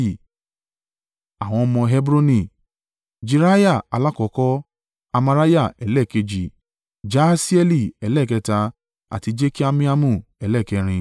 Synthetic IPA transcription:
a˨w̃ɔ̃˧mɔ̃˧ɦɛ˦bɾo˦nĩ˦˨ | d͡ʒi˧ɾa˦ja˦˨a˨˧la˦kɔ˧˨kɔ˦ | a˧ma˧ɾa˦ja˦˨ɛ˨lɛ˦˨ke˧d͡ʒi˨ | d͡ʒa˦si˦ɛ˧li˦˨ɛ˨˦lɛ˦˨kɛ˧ta˧ | a̰˨ti˨˧d͡ʒe˦ki˦a˦mĩ˦a˦mũ˦˨ɛ˨˦lɛ˦˨kɛ˧ɾ̃ĩ˧

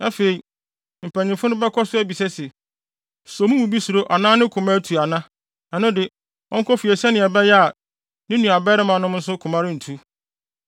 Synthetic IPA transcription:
a˦fe˨i˨ | m̩˨pʰæ̃˨ɲɪ̃˨fʊ˦nʊ̃˦bɛ˦kʰɔ˦sʊ˦æ˦bi˨sɛ˦sɛ˨ | so˨mũ˦mũ˨bi˦su˨ɾo˦ʔa˨nãː˦nɪ̃˦kʰʊ̃˨mã˦tʰu˨a˨nã˦ | ã˨nʊ̃˦dɪ˨ | ɔ̰̃˦ŋ̩˦kʰɔ˦fi˨ɛ˨sɛ˦nɪ̃˨ɛ˨bɛ˦jɛ˦a˨ | nɪ̃˦nũ˨a˨bɛ˦ɾɪ˦mã˨˦nʊ̃˦m˦n̩˦s̬ʊ˦kʰʊ̃˨mã˦ɾɪ̃˦n̩˨tʰu˦

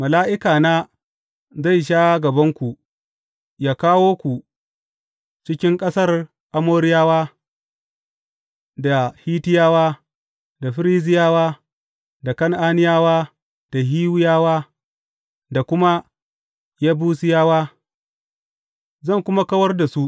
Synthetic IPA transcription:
mɐ˨laː˦ʔɪ˦kaː˨naː˦ | za˦˨jʃ̬aː˦ɡɐ˨bɐ˦ŋkʷu˨ʔ | jaː˦kaː˦woː˦kʷu˨ | t͡ʃɪ˦kʲɪ˦ŋkʼɐ˦sɐ˦r | ʔa˦moː˦ɾɪ˦jaː˦waː˦ | da˨hiː˦tɪ˦jaː˦waː˦ | da˨ɸɪ˦ɾiː˦zɪ˦jaː˦waː˦ | da˨kɐ˦ŋʔaː˦nɪ˦jaː˦waː˦ | d̥a˨ɦiː˦wʊ˦jaː˦waː˦ | da˨kʷʊ˦ma˦ | jaː˦buː˦sɪ˦jaː˦waː˦ | zɐ˦˨ŋkʷʊ˦ma˦kɐ˦wɐ˦rda˨su˦ʔ

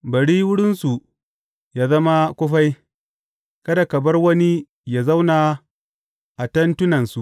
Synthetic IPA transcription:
bɐ˨ɽiː˦wʊ˦ɽɪ˦nsu˨ | jaː˦zɐ˦ma˦kʷʊ˦ɸa˦j | kɐ˦da˨kɐ˨bɐ˦rwɐ˦ni˦ | ja˨za˦wna˨ | ʔa˨tɐ˦ntʊ˦nɐ˨nsu˨ʔ

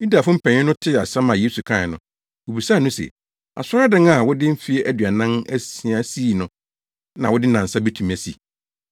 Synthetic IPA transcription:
ji˦da˨fʊ˦m̩˦pʰɛ̃˨ɲɪ̃˦nʊ̃˦tʰɪ˦˨a˨sã˦mã˨je˦su˨kʰã˦˨nʊ̰̃˦ | wo˨bi˨sa˦˨nʊ̃˦sḛ˨ | a̰˨sʊ˦a˦dɪ̃˦ŋa˨wʊ˦dɪ˦m̩˦fi˦ʔæ˦dɥa˨nã˦næ˦i˨a˨˦si˦˨nʊ̃˦ | nã˨wʊ˦dɪ˦nã˨n̩˨sa˦bɛ˦tʰũ˨m˦æ˨sḭ˨

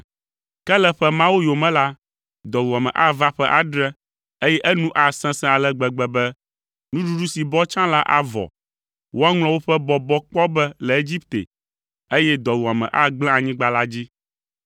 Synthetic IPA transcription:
kɛ˦lɛ˦ɸɛ˦mã˦wo˦jo˨mɛ̃˦la˦ | d̪ɔ˨wu˨a˨mɛ̰̃˨ʔa˦va˦ɸɛ˦ʔa˨ɖɾɛ˦ | e˦jɛ˦ʔɛ˦nũ˦ʔa˨sɛ̃˦sɛ̃˦a˨lɛ˦ɡ͡bɛ˨ɡ͡bɛ˨bɛ˦ | nũ˦ɖu˦ɖu˦si˨bɔ˦t͡ʃã˦la˦ʔa̰˨vɔ̰˨ | wʔo˦a˦ŋl̃ɔ̃˦wo˦ɸɛ˦bɔ˨bɔ˦k͡pɔ˦bɛ˦lɛ˨e˦d͡ʑi˦p̚t̪ḛ˨ | e˦jɛ˦d̪ɔ˨wu˨a˨mɛ̰̃˨ʔa˦ɡ͡blɛ̃˦a˨ɲĩ˦ɡ͡ba˦la˦d͡ʑi˦

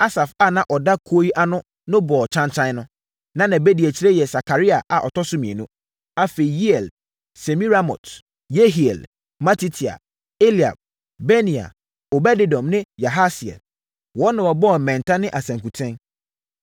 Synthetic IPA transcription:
a˦sa˨fa˨nã˨ʔɔ˨da˦kʰu˦o˦i˦ʔa˦nʊ̃˦ | nʊ̃˦bɔ˨t͡ɕʰã˦nt͡ɕʰã˦nʊ̃˦ | nã˦nã˨be˦di˨e˨t͡ɕʰi˨ɾe˦jɛ˨sa˨kʰa˨ɾi˦a˨ʔa˨ʔɔ˨tʰɔ˦sʊ˦mĩ˨e˨nũ˦ | a˦fe˨i˨ji˦ɛ˨l | se˨mi˦ɾa˦mɔ̰˨t | je˦ɦi˨ɛ̰˨l | ma˦tʰi˦tʰi˨a̰˨ | e˦li˨a̰˨b̚ | bɛ˦nĩ˨a̰˨ | o˨bɛ˦dɪ˦dɔ̃˨mnɪ̃˦ja˨ɦa˦si˨ɛ̰˨l | wɔ˦nã˨ɔ˨bɔ˦˨mɛ̃˨ntʰa˦nɪ̃˦ʔa˨sæ̃˨ŋku˨tʰɪ̃˦n

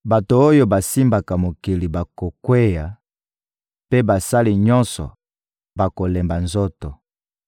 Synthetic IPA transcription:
ba˨to˨o˦jo˦ba˨si˦mba˨ka˨mo˨ki˨li˨ba˨ko˨kwe˦ja˨ | pe˦ba˨sa˦li˨ɲɔ̃˦nsɔ̰˨ | ba˨ko˨lɛ˨mba˨nzo˦tɔ˨

